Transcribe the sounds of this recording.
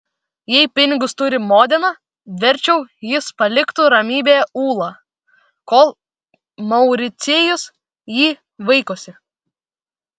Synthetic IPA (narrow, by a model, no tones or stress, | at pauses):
jɛɪpʲɪnʲɪɡʊst̪ʊɾʲɪmoːd̪ʲɛnɐ | ʋʲɛɾʲt͡ʃʲɛʊjɪspɐlʲɪkt̪uːɾɐmʲiːbʲeːjuːlˠɑː | koːlˠ | mɐʊɾʲɪt̪sʲeːjʊs | jiː | ʋɐɪkosʲɪ